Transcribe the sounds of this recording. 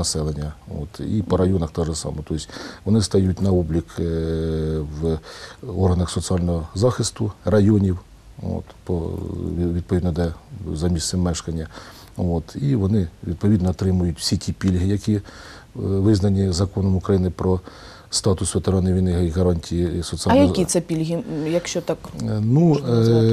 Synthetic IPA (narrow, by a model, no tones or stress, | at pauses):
ɐsɛlˠenʲːɐo̰t̪ḭpɔɾɐjɔnɐxt̪ɔʒɛsɑ̰mɔt̪ɔɪsʲʋɔnɪst̪ɐjutʲnɐɔblʲik | w | ɔrɦɐnɐxsɔt̪sɨɑlʲnɔɦɔzɑxɪst̪ʊrɐjɔnʲiw | o̰t̪pɔ | ʋʲid̪̚pɔʋʲid̪nɔd̪ɛzɐmʲisɪmɛʃkɐnʲːɐ | ot̪iʋɔnɪʋʲid̪̚pɔʋʲid̪nɔːt̪ɾɪmʊjʊtʲw̥sʲitʲipʲilʲɦɪjɐkʲi | ʋɪznɐnʲizɐkɔnɔmʊkɾɐjinɪpɾɔ | st̪ɑt̪ʊsʋʲet̪ɐɾɔnɪʋʲinɪɦɐiɦɐɾɑnʲtʲijisɔt̪sɨɑjnɐkʲit̪sɛpʲilʲɦijɐkʃt͡ʃɔt̪ɑknu